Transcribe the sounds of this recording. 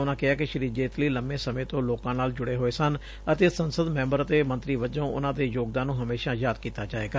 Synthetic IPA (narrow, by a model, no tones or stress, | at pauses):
ʊnãːkɪaːkɪʃəɾiːd͡ʒeːt̪liːləmːẽːsəmẽːt̪õːloːkãːnaːld͡ʒʊɽeːɦoːeːsən | ət̪eːsənsəd̪mɛ̃ːmbəɾət̪eːmə̃nt̪ɾiːʋəd͡ʒõːʊ̰nãːd̪eːjoːɡ̚d̪ãːnũːɦəmeːʃãːjaːd̪kiːt̪aːd͡ʒaːeːɡaː